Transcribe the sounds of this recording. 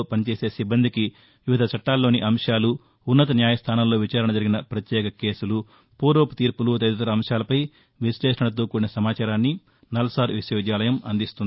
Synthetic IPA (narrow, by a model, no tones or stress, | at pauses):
opɐnit͡ʃe̞ːseːsibːɐnd̪ʱiki | ʋuʋid̪ʱɐt͡ʃʰɐʈːaːlːo̞ːniʔɐmʂaːluː | nːɐt̪̬ɐnjaːjɐst̪ʰaːnɐmlo̞ːʋit͡ʃaːɾɐɳɐd͡ʒɐɾiɡinɐpɾɐt̪jɛːkɐke̞ːsulu | puːɾoːput̪iːɾpulut̪ɐd̪ut̪ɐɾɐːmʂaːlɐpɐj | ʋisleːʂɐɳɐt̪̬oːkuːɾinɐsɐmaːt͡ʃaːɾaːnːi | nɐlɐsaːɾʋisjoːd̪jaːlɐjɐmɐ̰nd̪ist̪und̪i